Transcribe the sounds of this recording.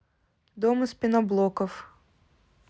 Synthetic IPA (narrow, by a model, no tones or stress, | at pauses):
d̪ɔmspʲinɔblˠɔkɔf